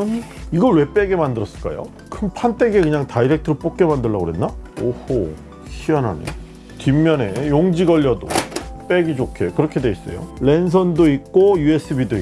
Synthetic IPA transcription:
iɡʌɭwe̞p͈e̞ɡe̞mandɯɾʌs͈ɯ̥ɭk͈a̰jo̰ | kʰɯnpʰant͈e̞ɡe̞kɯɲaŋtaiɾek̚tʰɯɾop͈ok̚k͈e̞mandɯɭːaɡoɾenːaoho | ɕiana̰ɲḭ | timːjʌne̞joŋd͡ʑiɡʌʎːʌdo̰p͈e̞ɡid͡ʑokʰe̞kɯɾʌkʰe̞dwe̞is͈ʌ̰jo̰le̞ns̬ʰʌndoik̚k͈ojue̞s͈ʰɯbidoi

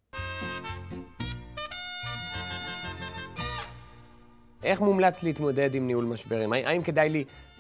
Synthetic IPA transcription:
ʔe̞χmumlat͡sliːt̪mo̞de̞dimniulmaʃbeʁimaʔaimke̞d̪ajli

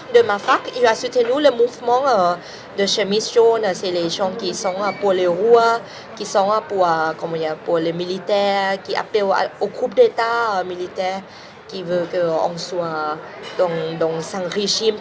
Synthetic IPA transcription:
d̪əmafakiasyt̪enuləmuvmɑ̃ə | d̪əʃəmisʒonəsɛleʒɔ̃kisɔ̃ŋapuleʁua | kisɔ̃ŋapuəkɔ̃mɔ̃dipulemilit̪ɛʁʁkiʔa̰plea̰oɡʁup̚d̪et̪aəmilit̪ɛʁ | kivøkəɔ̰̃swa | d̪ɔ̃ŋd̪ɔ̃sãʁeʒim

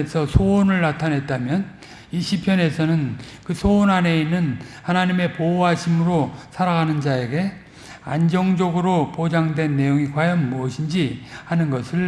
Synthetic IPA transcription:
esʰʌsʰonɯɭnatʰanɦe̞t̚t͈amjʌn | iɕʰipʰjʌne̞sʰʌnɯnkɯsʰoːnane̞inːɯnhanaɲime̞poaɕʰimɯɾosʰaɾaɡanɯnd͡ʑae̞ɡe̞ | a̰nd͡ʑʌŋd͡ʑʌɡɯɾopod͡ʑaŋdwe̞nːe̞joŋikwajʌnmuʌɕʰind͡ʑihanɯnɡʌsʰɯɭ

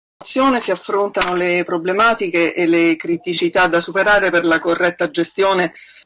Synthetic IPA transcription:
t̪sːjoːnesiafːɾont̪anolepɾoblemaːt̪ik̟eʔelekɾit̪it͡ʃit̪ad̪ːasupeɾaːɾeperlakorːɛt̪ːad͡ʒest̪joːne

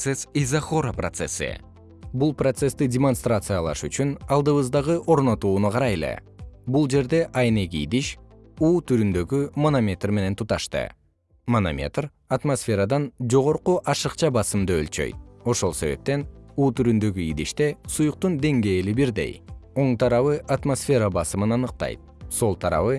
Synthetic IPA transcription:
sesizaχo̞ɾɐpro̰t̪sḛsɨ̰ | bulˠprot̪se̞st̪idʲɪmo̞nst̪rat̪sɨjɑlˠɑ̰ʃyt͡ʃynɑlˠd̪ɯβɯzd̪ɑʁɯʔo̞ɾno̞t̪uːnuqʰɑɾɑjele̞̰bulˠd͡ʒe̞ɾd̪e̞ʔɑjnekḭd̪iʃ | uːt̪ʰyɾynd̪ø̞ɡymonomʲe̞t̪rme̞ne̞nt̪ʰut̪ɑʃt̪ɯ̰ | mono̰mʲe̞̰t̪r | at̪mosfʲe̞ɾad̪ɑnd͡ʒo̞ʁo̞ɾquʔɑʃɯqt͡ʃɑbɑsɯmd̪ɯø̰lt͡ʃø̞̰jt̪̚o̞ʃo̞lˠse̞βe̞̰p̚t̪e̞nuːt̪yɾynd̪ø̞ɡyid̪iʃt̪e̞sujuq̚t̪und̪e̞ŋɡe̞ːlibiɾd̪e̞̰jo̞ɴt̪ʰɑɾɑβɯʔat̪mosfʲe̞ɾɑbɑsɯmɯnɑnɯq̚t̪ɑ̰jt̪̚so̞lˠt̪ʰɑɾɑ̰βɯ

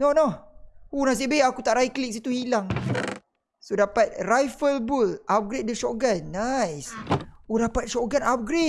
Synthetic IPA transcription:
nonounas̬ibeakut̪aʔɾaiklik̚s̬it̪uhilaŋ | sodapat̪̚rajfəlbulʔap̚ɡɾet̪̚dəʃɔɡanːajsodapat̪̚ʃɔɡanap̚ɡɾe

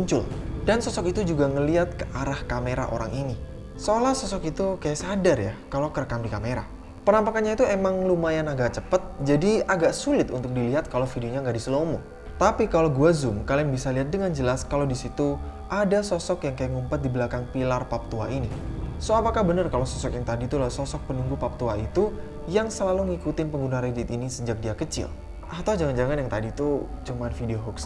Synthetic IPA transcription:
uɲt͡ʃʊldansɔsɔkit̪ud͡ʒuɡaŋəliɦat̪̚kəʔaɾahkameɾa̰ʔo̰ɾa̰ŋʔini | solahsɔsɔkit̪ukajaʔsadarja̰kalokəɾəkamdikameɾa̰ | pənampakanɲait̪uemaŋlumajanaɡaʔt͡ʃəpət̪̚d͡ʒadiaɡaʔsulɪt̪unt̪ʊk̚diliɦat̪̚kalofideoɲaŋɡaʔdisəlomu | t̪apikaloɡuazʊmkaliŋbisaliɦat̪̚dəŋand͡ʒəlaskalodisit̪u | ʔadasɔsɔkjaŋkajaŋumpat̪̚dibəlakaŋpilarpap̚t̪uaʔinisoapakahbənərkalosɔsɔkjaŋt̪adit̪ulasɔsɔk̚pənuŋɡupap̚t̪uait̪u | jaŋsəlaluŋikut̪ɪnpəŋɡunaɾed͡ʒɪt̪inisəd͡ʒak̚diakət͡ʃɪ̰l | ʔat̪awd͡ʒaŋand͡ʒaŋanjaŋt̪adit̪ut͡ʃumanfideoɦɔks

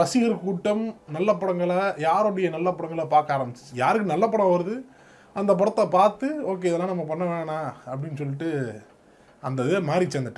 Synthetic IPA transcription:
ɾɐsɪɣɐɾkuːʈːɐmnɐlːɐpːɐɽɐŋɡɐɭɐjaːɾoɽɐjɐnɐlːɐpːɐɽɐŋɡɐɭɐpaːɾkaːɾɐmbɪt͡ʃːɪ̥t͡ʃːɯjaːɾɯkːɯnɐlːɐpːɐɽɐ̃ʋɐɾɯðɯ | ɐnd̪ɐp̬ɔɽɐt̪ːɐpaːɾt̪ɯoːk̬ːeːɪðɐlːaːnɐmːɐpɐɳːɐʋeːɳaːɐpːɐɽɪnːɯsɔlːɪʈːɯ | ɐnd̪ɐðɯmaːɾɾit͡ʃːend̪ɐʈː

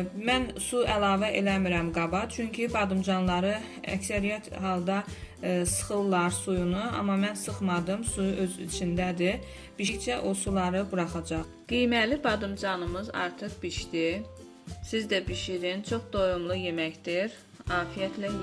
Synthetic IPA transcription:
mænsuælˠɑːvæʔḛlæmiɾæmɡɑbɑt͡ʃʰyɲcʰibɑd̪ɯmd͡ʒɑnlˠɑɾɯ | æ̰csæɾijæt̪ɦɑlˠd̪ɑsɯ̥χɯlˠːɑɾsujunuɑ̰mɑmænsɯχmɑd̪ɯmsujuʔø̞zḭt͡ʃʰind̪æd̪i | b̥iʃçt͡ʃʰæʔo̞sulˠɑɾɯbuɾɑχɑd͡ʒɑχ | ɡ̥ijmælibɑd̪ɯmd͡ʒɑnɯmɯzɑ̰ɾt̪ʰɯχb̥iʃd̪i | sizd̪æbiʃiɾint͡ʃʰo̞χd̪o̞jumlˠuje̞mæçd̪iɾ | ɑːfijæt̪ʰlæ

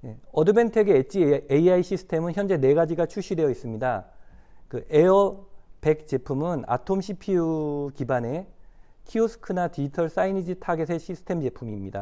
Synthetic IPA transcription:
ne̞ʌdɯbe̞ntʰeɡeet͡ɕ͈ieiaiɕ͈ʰisʰɯ̥tʰe̞mɯnçjʌnd͡ʑe̞ne̞ɡad͡ʑiɡat͡ɕʰuɕ͈ʰidwe̞jʌis͈ɯmɲida | kɯʔeʌpe̞k̚t͡ɕ͈e̞pʰumɯna̰tʰomɕʰipʰiukibane̞ | kʰiosʰɯ̥kʰɯnatiitʰʌɭs͈ainid͡ʑitʰaɡesʰe̞ɕʰisʰɯ̥tʰe̞md͡ʑe̞pʰumimɲida̰

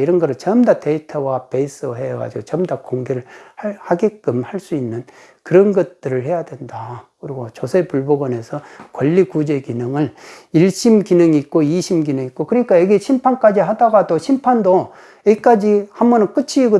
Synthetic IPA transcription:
iɾʌnɡʌɾɯɭt͡ɕʌmdate̞itʰʌwape̞is͈ɯɦeɡa̰d͡ʑiɡot͡ɕʌmdakoŋɡeɾɯɭahaɡek͈ɯmhaɭs͈uinːɯn | kɯɾʌnɡʌt̚t͈ɯɾɯɭhe̞jadwe̞ndakɯɾiɡot͡ɕosʰepuɭboɡʌne̞sʰʌkwʌʎːikud͡ʑe̞kinɯŋɯɭiɭɕ͈imkinɯŋiːk̚k͈oiɕʰimɡinɯŋik͈okɯɲik͈ajʌɡeɕʰimpʰank͈ad͡ʑiɦadaɡatoɕʰimpʰando | jʌik͈ad͡ʑihambʌnɯnk͈ɯt͡ɕʰiːɡo

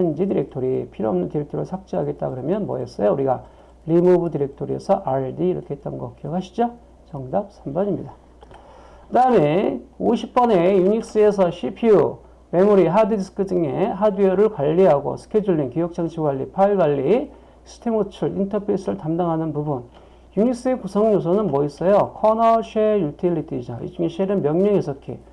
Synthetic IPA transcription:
and͡ʑidiɾe̞k̚tʰoɾipʰiɾoʌmnɯntiɾe̞k̚tʰoɾɯɭsʰak̚t͡ɕ͈eɦaɡe̞t̚t͈aɡɯɾʌmjʌnmʌ̰es͈ʌjouɾiɡa | ɾimubutiɾe̞k̚tʰoɾiḛsʰʌʔaeɭdiːɾʌkʰe̞ɦet̚t͈ʌnɡʌk͈ijʌkʰaɕʰi̥d͡ʑo | t͡ɕʌŋdap̚sʰambʌɲimɲida | kɯdaɯmeoɕʰip̚p͈ʌne̞juɲik̚s͈ɯe̞s̬ʰʌɕʰipʰiu | me̞muɾiɦadɯsʰɯ̥kʰɯd͡ʑɯŋe̞ɦadiʌɾɯɭkwaʎːiɦaɡo̰sʰɯ̥kʰed͡ʑuɭːiŋkijʌk̚t͡ɕ͈ʰaŋt͡ɕʰiɡwaʎːḭpʰaiɭɡwaʎːi | sʰɯ̥tʰemot͡ɕʰuɾḭntʰʌpʰes͈ɯɾɯɭtamdaŋɦanɯnpubun | juɲik̚s͈ɯe̞kusʰʌŋɲos̬ʰʌnɯnmʌis͈ʌjʌkʰʌnʌɕʰejutʰilːitʰiid͡ʑʌḭd͡ʑuŋeɕʰeɾɯnmjʌŋɲʌŋesʰʌkʰḛ

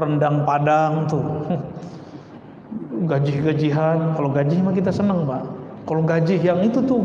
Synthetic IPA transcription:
rəndaŋpadaŋt̪ʊ | ɡad͡ʒɪhɡad͡ʒiɦat̪̚kaloɡad͡ʒɪhmakit̪asənəŋpaʔ | kaloɡad͡ʒɪɦjaŋit̪ut̪ʊ

